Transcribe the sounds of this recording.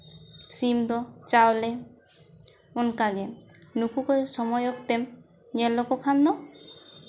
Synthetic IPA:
simd̪ɔt͡ʃawlɛ | onkaɡɛnukʰukɔsɔmɔjɔkt̪ɛm | ɲɛlːɔkɔkʰand̪ɔ

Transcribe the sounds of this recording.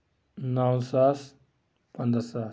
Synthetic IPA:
nawsas | pənd̪ɾəsaːs

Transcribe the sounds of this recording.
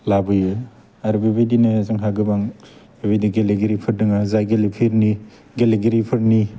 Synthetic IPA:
labɯjɯ | aɾubebejdinɯzɯŋɦaɡɯbaŋ | bebajdiɡeleɡeɾipʰɯɾdɯŋazajɡelipʰiɾni | ɡeleɡeɾipʰɯɾni

